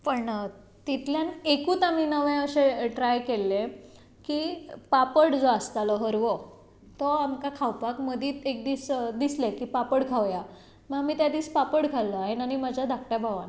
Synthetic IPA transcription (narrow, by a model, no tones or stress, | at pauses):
pəɳ | t̪it̪ljanekuːt̪aminəʋẽjəɕeʈɾajkelːe | kiːpapəɽd͡zoast̪alɔɦəɾʋɔ | t̪ɔamkakʰawpakməd̪ʱiːt̪ek̚d̪iːsd̪islekiːpapəɽkʰaʋja | məɡamiːt̪jad̪iːspapəɽkʰalːəaɦenañimad͡ʑʱad̪ʱak̚ʈjabʱaʋan